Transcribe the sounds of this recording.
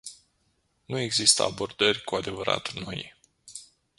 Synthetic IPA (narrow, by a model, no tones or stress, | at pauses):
nue̞ɡzist̪ə̰abo̞rd̪ərʲkuad̪e̞vəɾa̰t̪no̞j